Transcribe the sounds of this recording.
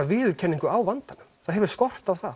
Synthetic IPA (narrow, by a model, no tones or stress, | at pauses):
aɾvɪːðʏlcʰɛnːiŋkʏawvant̪anʏmθaðɦɛvʏɾ̥skɔr̥t̪awθa